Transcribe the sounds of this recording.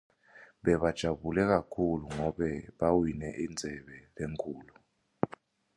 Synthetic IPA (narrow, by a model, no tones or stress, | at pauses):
ɓɛɓad̥ʒ̥ʱaɓulɛk̬akʰuluŋɔɓɛɓawinɛʔind͡zʱɛɓɛleŋkʰʼuːlu